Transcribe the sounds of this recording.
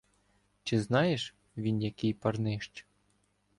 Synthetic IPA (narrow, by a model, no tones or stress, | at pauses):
t͡ʃɪznɑjeʃ | ʋʲinjɐkɪjpɐrnɪʃt͡ʃ